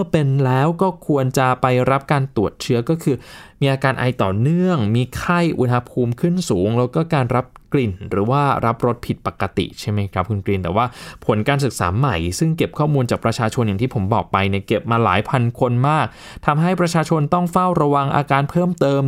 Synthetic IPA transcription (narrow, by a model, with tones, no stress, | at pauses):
m˥˩əpe˧nlɛː˦˥wkɔː˥˩kʰu˧ənt͡ɕa˨˩pa˧jɾa˦˥p̚kaː˧nt̪u˨˩ət̪̚t͡ɕʰɯ˦˥ɐkɔː˥˩kʰɯː˧miː˧ʔaː˧kaː˧nʔa̰˧jt̪ɔː˨˩nɯ˥˩əŋmiː˧kʰa˥˩jʔṵ˧nha˧pʰuː˧mkʰɯ˥˩nsuː˩˦ŋlɛː˦˥wkɔː˥˩kaː˧nɾa˦˥p̚kli˨˩nɾɯː˩˦waː˥˩ɾʔa˦˥p̚ɾo˦˥t̪̚pʰi˨˩t̪̚pa˨˩kːa˧t̪ḭ˨˩t͡ɕʰa˥˩jma˦jkʰɾa˦˥p̚kʰu˧nkliː˧nt̪ɛː˨˩waː˥˩pʰo˨˩˦nkaː˧ns̬ɯ˨˩k̚sa̰ː˩˦ma˨˩jsɯ˥˩ŋke˨˩p̚kʰɔː˥˩muː˧nt͡ɕaː˨˩k̚pɾa˧t͡ɕʰaː˧t͡ɕʰo˧nja˨˩ŋt̪ʰiː˥˩pʰo˩˦mbɔ̰ː˨˩k̚pa˧jni˥˩ke˨˩p̚maː˧la̰ː˩˦jpʰa˧nkʰo˧nmaː˥˩k̚ | t̪ʰa˧mɦa˥˩jpɾa˧t͡ɕʰaː˧t͡ɕʰo˧nt̪ɔ˥˩ŋfa˥˩wɾa˧wa˧ŋʔa̰ː˧kaː˧npʰɤː˥˩mt̪ɤː˧m